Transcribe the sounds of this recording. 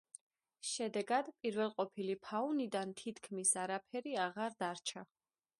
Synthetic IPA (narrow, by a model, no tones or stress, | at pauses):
ʃɛd̪ɛɡad̪pʼiɾvɛlˠqʼɔpʰilipʰaunid̪ant̪ʰit̪ʰkʰmisaɾapʰɛɾiaʁaɾd̪aɾt͡ʃʰa